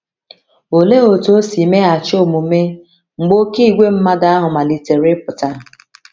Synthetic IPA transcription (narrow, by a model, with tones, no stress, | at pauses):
o˨le˦o˨to˦si˨me˦a˨t͡ʃo˦˨mu˨me˦ | ŋ͡m̩˨ɡ͡bo˦ki˦˨ɡʷe˦m̩˦ma˦ɡa˦a˦ɦʊ˨ma˨li˨te˨ɾɪ˦pʊ˨ta˦